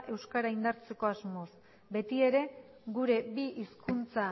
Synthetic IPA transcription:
ʔe̞wskaɾaind̪aɾt͡se̞ko̞azmo̞s | be̞t̪ie̞ɾe̞ | ɣuɾe̞biʔiskunt͡sa

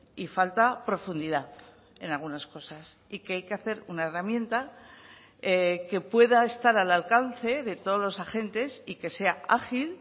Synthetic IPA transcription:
ifalt̪apɾo̞fund̪iðaθ | e̞nalɣunasko̞sas | ike̞ajke̞aθe̞ɾunaeramjẽ̞nt̪a | eke̞pwe̞ðae̞st̪aɾalalkanθe̞ðe̞t̪o̞ðozlo̞saxe̞nt̪e̞sike̞se̞aaxil

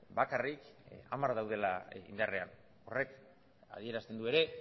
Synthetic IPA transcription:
bakarika̰maɾðawð̞e̞laḭnd̪arean | o̞re̞k | a̰ð̞ie̞ɾast̪e̞nd̪ue̞ɾe̞

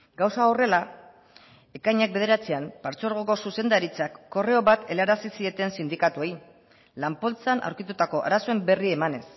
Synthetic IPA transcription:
ɡawsaore̞la | e̞kajɲak̚be̞ð̞e̞ɾat͡seampaɾt͡soɾɣ̞oko̞suse̞nd̪aɾit͡sakːo̞re̞o̞βat̪e̞laɾasisie̞t̪e̞nsind̪ikat̪ue̞j | lampo̞lt͡sanʔa̰wɾkit̪ut̪ako̞ʔa̰ɾaso̞e̞mbe̞riemane̞s

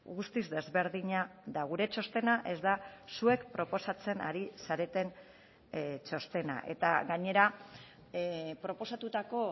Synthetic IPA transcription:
ɣust̪izd̪e̞zβe̞ɾðiɲaðaɣuɾe̞t͡ʃo̞st̪e̞naʔe̞zd̪asue̞kpɾo̞po̞sat͡se̞naɾisaɾe̞t̪e̞n | t͡ʃo̞st̪e̞na̰ʔe̞t̪aɣaɲe̞ɾa | pɾo̞po̞sat̪ut̪ako̞

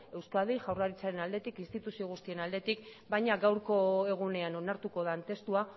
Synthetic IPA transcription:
e̞wskað̞ejʝawrlaɾit͡saɾe̞nald̪e̞t̪ikinst̪it̪usio̞ɣ̞ust̪ie̞nald̪e̞t̪ikbajɲaɣawɾko̞e̞ɣ̞une̞ano̞naɾt̪uko̞ð̞ant̪e̞st̪ua

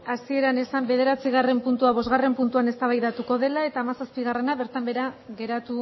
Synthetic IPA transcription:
asie̞ɾane̞sambe̞ð̞e̞ɾat͡siɣ̞are̞mpunt̪uaβo̞zɣare̞mpunt̪uane̞st̪aβajðat̪uko̞ð̞e̞lae̞t̪aːmasaspiɣare̞naβe̞ɾt̪ambe̞ɾaɣe̞ɾat̪u

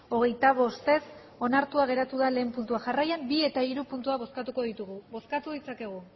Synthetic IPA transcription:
o̞ɣ̞e̞jt̪aβo̞st̪e̞s | o̞naɾt̪uaɣ̞e̞ɾat̪uðale̞ːmpunt̪uaʝarajambie̞t̪aiɾupunt̪uaβo̞skat̪uko̞ðit̪uɣuβo̞skat̪uð̞it͡sake̞ɣ̞u

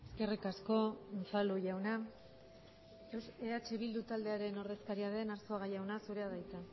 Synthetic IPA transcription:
e̞ske̞rikasko̞nfaluʝawna | eat͡ʃe̞βild̪ut̪ald̪e̞aɾe̞no̞ɾðe̞skaɾiaðe̞naɾsoaɣajawnasuɾe̞aðajt̪a

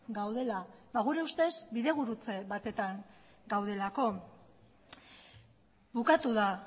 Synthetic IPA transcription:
ɡawð̞e̞labaɣ̞uɾe̞ust̪e̞zbiðe̞β̞uɾut͡se̞βat̪e̞t̪aŋ | ɡawðe̞lako̞ | bukat̪uða

